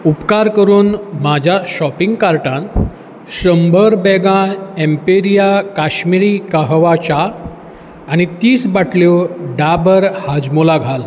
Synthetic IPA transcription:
upkaɾkəɾuːnmad͡ʑʱjaɕɔpiŋɡkaɾʈãn | ɕɾəmbʱəɾbɛɡãempeɾijakaɕmiɾiːkaɦʋat͡ɕaː | ñit̪iːsbaʈʰljoɖabəɾhad͡zmolaɡʱal

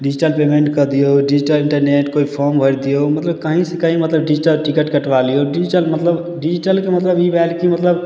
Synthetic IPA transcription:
ɖid͡ʒiʈəlpemẽɳʈkəd̪ijoɖid͡ʒiʈəlĩɳʈəɾneʈkoipʰɔɾmbʱəɾd̪ijomət̪ləb̚kəɦĩsẽkəɦĩmət̪ləbɖid͡ʒiʈəlʈikəʈkəʈʋalioɖid͡ʒiʈəlmət̪ləb | ɖid͡ʒiʈəlkemət̪ləbibɛlkimət̪ləb

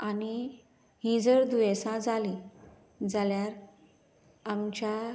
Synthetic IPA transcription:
ani | ɦĩd͡zəɾd̪ujesãd͡zali | d͡zaljaɾ | amt͡ɕa

